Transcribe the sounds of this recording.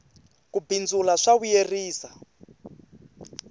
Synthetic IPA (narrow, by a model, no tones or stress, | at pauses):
kubʱind͡zulaʂaβujeriːsa